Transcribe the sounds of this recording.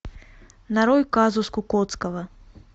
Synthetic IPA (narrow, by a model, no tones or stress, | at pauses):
naɾɔjkazuskukɔt̪skɐvɐ